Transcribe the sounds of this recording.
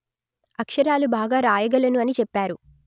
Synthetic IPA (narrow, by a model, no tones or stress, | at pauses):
ɐkʂɐɾaːlubaːɡaːɾaːjɐɡɐlɐnuɐnit͡ʃɛpːaːɾu